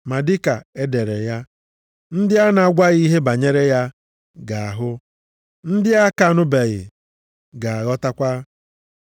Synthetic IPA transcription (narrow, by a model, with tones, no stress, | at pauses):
ma˨dɪ˦ka˨e˦de˨ɾe˨ja˦ | n̩˦dɪ˦a˦na˨ɡʷa˦ɣi˦ɦe˦ba˨ɲe˦ɾe˦ja˦ | ɡa˨a˨ɦʊ˦ | n̩˦dɪ˦a˦ka˦˨nʊ˦be˨ɣɪ̰˨ | ɡa˨a˨ɣɔ˦ta˦kʷa˦